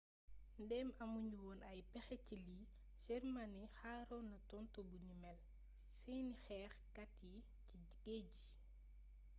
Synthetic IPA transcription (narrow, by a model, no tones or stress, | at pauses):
ndɛːmɐmuɲuwɔːnɐjpɛxɛcili | ʃɛrmanixaːɾɔnɐtɔntɔbunimɛl | sijnixɛːxkatːi | ci | ɡeːɟi